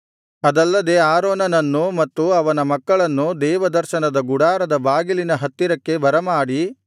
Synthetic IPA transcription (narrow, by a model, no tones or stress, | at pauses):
ɐd̪ɐlːɐd̪e̞aːɾoːnɐnɐnːumɐt̪ːuɐʋɐnɐmɐkːɐɭɐnːud̪ɛːʋɐd̪ɐɾʃɐnɐd̪ɐɡuɽaːɾɐd̪ɐbaːɡilinɐɦɐt̪ːiɾɐkːe̞bɐɾɐmaːɽi